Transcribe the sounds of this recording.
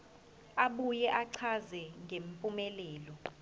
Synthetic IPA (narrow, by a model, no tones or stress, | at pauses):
aɓujɛʔaǀʰazɛŋʱempʼumɛlɛːlɔ